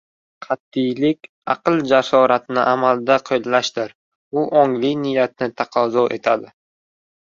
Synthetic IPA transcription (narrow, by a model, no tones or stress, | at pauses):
qʰɑt̪ːɪjlɪkʲ | ɑ̰qɨlˠd͡ʒasɒɾat̪nɪʔamald̪aqʰɨjllaʃd̪ɪɾ | ʊʔɒŋlɪjnɪjat̪̚nɪt̪ʰaqʰɒzɒʔe̞̰t̪ʰad̪ɪ